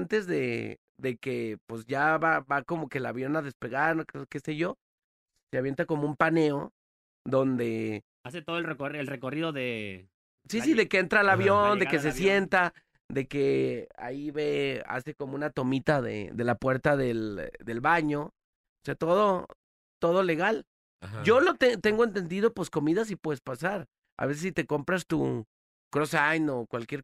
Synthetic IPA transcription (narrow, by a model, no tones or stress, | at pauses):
nt̪e̞zðe̞ | ðe̞ke̞pwe̞sʝaβaβako̞mo̞ke̞laβjo̞naðe̞spe̞ɣaɾnokke̞se̞ʝo̞ | seaβje̞nt̪ako̞moumpane̞o̞ | d̪o̞nd̪e̞ | aset̪oðolrekoelrekoriðoðe | sissiðe̞keent̪ɾaelaβjo̞nd̪ekes̬e̞sje̞nt̪a | ðe̞ke̞a̰iβe̞a̰se̞ko̞mounat̪o̞mit̪aðḛðe̞lapwe̞ɾt̪aðe̞ld̪e̞lβaɲo | oseat̪o̞ð̞o̞ | t̪o̞ðo̞le̞ɣal | hɟ͡ʝo̞lot̪et̪e̞ŋɡoe̞nt̪e̞nd̪ið̞o̞posko̞miðas̬ipwe̞ðespasaɾ | a̰βe̞s̬esit̪e̞ko̞mpɾast̪ṵ | kɾo̞sajno̞kwalkje̞ɾ